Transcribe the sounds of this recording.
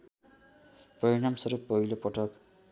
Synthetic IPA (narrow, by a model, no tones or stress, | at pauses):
prʌɾiɽamsʌɾupʌɦilopʌʈʌk